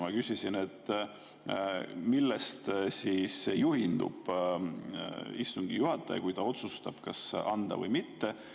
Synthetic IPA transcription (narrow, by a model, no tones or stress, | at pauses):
mɑkysʲisine̞t̪ːˑ | milːest̪siːsːejuhind̪ṵb̥ | ist̪uŋɡ̥ijuhɑt̪ːˑɑ̰j̰kujt̪ɑo̞t̪sust̪ɑb̥kɑsɑnd̪̥ɑ̰vɤ̰jmit̪ːe̞